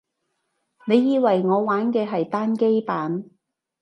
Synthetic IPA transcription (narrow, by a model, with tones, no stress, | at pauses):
ne˨˧jːiː˧wɐ˨jŋɔː˨˧waː˨˥nkɛː˧ɦɐ˨jt̪aː˥nke˥jpaː˨˥n